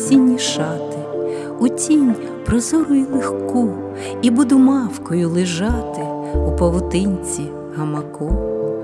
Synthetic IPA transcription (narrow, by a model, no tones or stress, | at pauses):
sʲinʲːiʃɑt̪ɪ | utʲinʲ | pɾɔzɔɾʊjilˠexku | ibud̪ʊmɑwkɔjʊlˠɪʒɑt̪ɪ | upɐwʊt̪ɪnʲt͡sʲi | ɦɐmɐkɔ